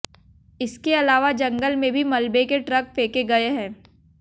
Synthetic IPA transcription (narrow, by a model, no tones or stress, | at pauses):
ɪskeɐlaːʋad͡ʒɐ̃ŋɡəlmẽbʱimɐlbekeʈɾɐk̚peːkeɡɐeɦɛ̃ː